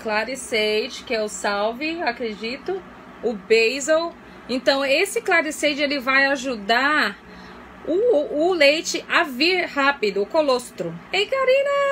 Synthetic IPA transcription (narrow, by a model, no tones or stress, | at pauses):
klaɾisejt͡ʃɪ̥kɪɛʊsawvɪakɾed͡ʒit̪ʊ | ʊbejzow | ẽnt̪ɐ̃w̃esɪklaɾisejt͡ʃɪelɪvajaʒud̪aɾ | ʊːlejt͡ʃɪʔaviɾhapid̪ʊːkolost̪ɾʊẽj̃kaɾĩnɐ